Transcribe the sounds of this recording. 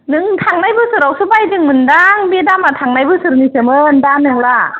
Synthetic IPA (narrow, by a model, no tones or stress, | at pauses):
nɯŋt̪ʰaŋnajbɯːsɯɾawsɯbajdɯŋmɯndaŋbidaːmːat̪ʰaŋnajbɯːsɯɾnisɯmɯːndaːnːɯŋla